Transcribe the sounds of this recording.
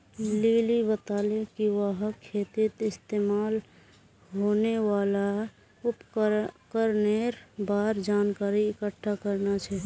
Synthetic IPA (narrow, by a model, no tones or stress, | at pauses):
liːlibət̪aːlekiwaɦəkʰːeːt̪ɪt̪ɪst̪eːmaːl | ɦonewaːla | ʊpkkəɾneɾbaːɾd͡ʒaːnkaːɾiɪkəʈʰːakəɾnat͡ʃʰɛ